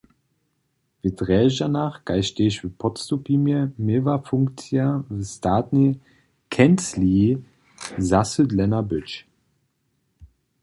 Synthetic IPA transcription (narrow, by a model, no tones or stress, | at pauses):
vɪtʁɛːʒanaχɡ̥aɪʃteːʃvəpʰɔtstupʰimjəmevafʊŋkt͡sjavəstaːtni | kʰɛnt͡sli | zasədlɛnɐbʏt͡ʃ